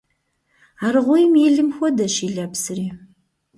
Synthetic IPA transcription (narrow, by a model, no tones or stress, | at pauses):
aːɾɨʁʷʊjmiɮɨmxʷɔdɐʃiːɮaːpsɨɾiː